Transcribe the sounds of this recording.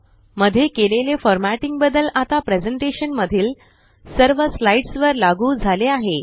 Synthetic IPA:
məd̪ʱːjekelelefɔɾmæʈiŋɡ̚bəd̪əlat̪apɾed͡zəɳʈeɕənməd̪ʱiːl | səɾʋəslaiʈsʋəɾlaɡuːd͡zʱaleaɦe

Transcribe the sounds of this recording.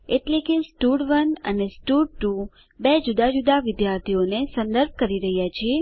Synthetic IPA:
eʈlekesʈuɖʋənə̰nesʈuɖ̚ʈu | bed͡ʒud̪ad͡ʒud̪aʋɪd̪jaɾt̪ʰionesə̃nd̪əɾb̚kəɾiɾəɦjat͡ʃʰie

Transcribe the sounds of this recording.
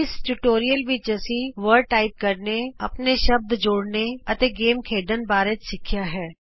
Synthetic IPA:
ɪsʈuʈoːɾijəlʋɪt͡ʃəsĩʋəɾʈaːɪp̚kəɾneɐpneʃəb̚d̪d͡ʒoːɽneɐt̪eːɡeːmkʰeːɖənbaːɾet͡ʃsɪkʰjaːɦɛː

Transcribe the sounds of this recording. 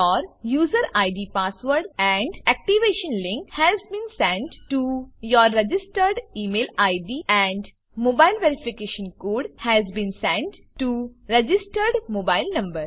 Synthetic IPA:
ɔːɾjuːzəɾaɪɖiːpaːsʋəɾɖɛ̃ɳɖɛk̚ʈiʋeːʃə̃nlɪ̃ŋkhɛzbĩːnsɛ̃ɳʈʈujɔːɾːed͡ʒɪsʈəɾɖiːmeːlaɪɖiːɛ̃ɳɖ | moːbaɪlʋeɾifikeːʃə̃nkoːɖhɛzbĩːnsɛ̃ɳʈ | ʈuɾed͡ʒɪsʈəɾɖmoːbaɪlnɐ̃mbəɾ

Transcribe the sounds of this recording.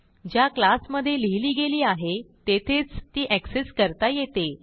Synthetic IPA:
d͡ʑjaklasməd̪ʱːjeliliːɡeliːaɦet̪et̪ʰet͡st̪iːʔækseskəɾt̪ajet̪e

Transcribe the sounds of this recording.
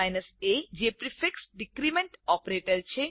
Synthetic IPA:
ajnəsed͡ʒepɾifeksɖɪkɾimẽɳʈɔːpɾeːʈəɾt͡ʃʰe

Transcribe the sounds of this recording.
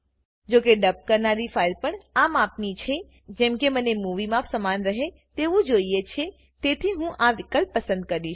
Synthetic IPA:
d͡ʒokeɖəp̚kəɾnaɾifailpəɳamapnit͡ʃʰe | d͡ʒɛ̃mkemənemuʋimãpsəmanɾəɦe | t̪eʋũd͡ʒoijet͡ʃʰe | t̪et̪ʰiɦũʔaʋɪkəl̚pəsə̃nd̪̚kəɾiʃ

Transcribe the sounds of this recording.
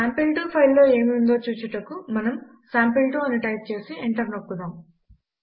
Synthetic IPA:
saːmpilʈuːpʰɐjlːo̞ːe̞ːmiund̪o̞ːt͡ʃuːt͡ʃuʈɐkumɐnɐm | saːmpilʈuːɐniʈɐjp̚t͡ʃe̞ːsieɳʈɐɾnokːud̪aːm

